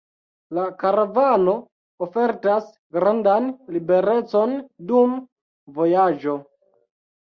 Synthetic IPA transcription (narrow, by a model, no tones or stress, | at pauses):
lakaɾavano̞ː | fe̞ɾtas | ɡɾandanlibe̞ɾe̞t͡so̞ndum | vo̞jad͡ʒo̞